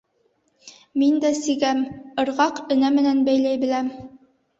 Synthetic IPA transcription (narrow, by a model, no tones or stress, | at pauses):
mind̪æsiɡæmɤ̆ɾʁɑqɵ̆næmɘ̆nænbæjlæjbɘ̆læm